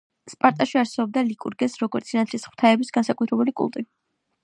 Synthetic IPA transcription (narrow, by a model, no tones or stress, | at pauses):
spʼaɾt̪ʼaʃiaɾsɛbɔb̚d̪alikʼṵɾɡɛsɾɔɡɔɾt̪sʰinat̪ʰlisχwt̪ʰaɛbisɡansakʼut̪ʰɾɛbulikʼṵlˠt̪ʼi